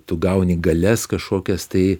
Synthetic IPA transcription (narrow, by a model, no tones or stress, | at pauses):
t̪ʊɡɐʊnʲiɡɐlʲɛskɐʃkoːkʲɛst̪ɐɪ